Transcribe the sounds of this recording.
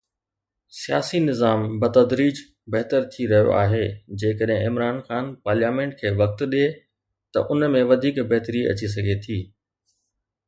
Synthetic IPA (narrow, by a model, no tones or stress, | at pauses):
sijaːsinɪzaːmbɐt̪ɐd̪ɾiːd͡ʑ | bɐɦt̪əɾt̪ʰiɾɐɦijo̰ʔa̰ːɦeːd͡ʑeːkəɗɦẽɪmɾaːnxaːnpaːɾljaːmẽːɳʈ̚kʰeːʋɐk̚t̪ɗe | t̪ɐʔʊnmẽʋɐd̪ʱiːkbɐɦt̪əɾiɐ̰t͡ɕis̬ɐɡʱet̪ʰiː